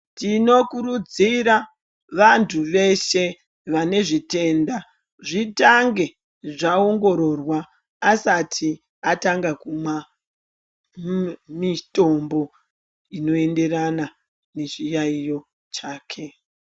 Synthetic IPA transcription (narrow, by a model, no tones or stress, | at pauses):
tino̞kuɾud͡ziɾa | ʋantʰuʋe̞ʃe̞ | ʋane̞ʐite̞nda | ʐitaŋɡe̞ | ʐaoŋɡo̞ɾo̞rwaː | satʰi | ataŋɡakumwa | mito̞mbo̞ | ino̞e̞nde̞rana | ne̞ʐijaijo̞ | t͡ʃaːkʰe̞